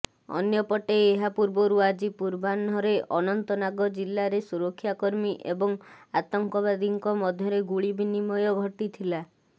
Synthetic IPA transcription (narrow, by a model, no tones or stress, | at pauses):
ɔ̰njɔpɔʈeːɦapuɾbɔɾuad͡ʒipuɾbanɔɾeʔɔnɔnt̪ɔnaɡɔd͡ʒilːaɾesuɾɔkʰːjakɔɾmiʔebɔŋat̪ɔŋkɔβad̪iŋkɔmɔd̪ʱjɔɾeɡuɭibinimɔjɔɡʱɔʈit̪ʰila